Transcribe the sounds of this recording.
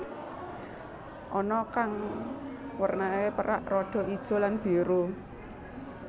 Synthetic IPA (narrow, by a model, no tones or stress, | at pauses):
ʔɔnɔkaŋ | wərnakepəɾa̰ʔrɔɖ̥ɔ̤id̥ʒ̥ɔ̤lanb̥e̤ɾu